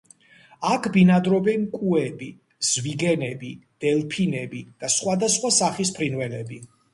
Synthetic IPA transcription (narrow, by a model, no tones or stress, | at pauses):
akʰbinad̪ɾɔbɛnkʼuɛbi | z̥viɡɛnɛbid̪̥ɛlpʰinɛbid̪̥asχwad̪asχwasaχispʰɾinvɛlɛbi